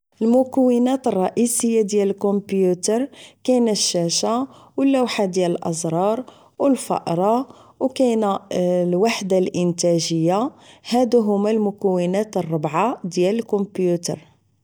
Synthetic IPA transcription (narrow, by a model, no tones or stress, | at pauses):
ʔəlmʊkəwːənæt̪ərˤːɑʔisəjːad̪jæləlkompjut̪əɾˤkæjnæʃːæʃa | wəlːæwħad̪jæləlʔɑzˤɾˤɑɾˤ | wəlfɑ̰ʔɾˤɑ | wkæjnælwaħd̪alʔənt̪æʒəjːahæd̪uɦʊmːælmʊkæwənæt̪ərˤːəbʕad̪jæləlkombjut̪ə̰ɾˤ